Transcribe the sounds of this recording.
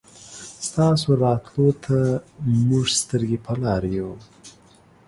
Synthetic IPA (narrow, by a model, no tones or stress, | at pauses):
st̪ɑsoɾɑt̪lot̪ʰamuʐst̪əɾɡepʰəlɑɾju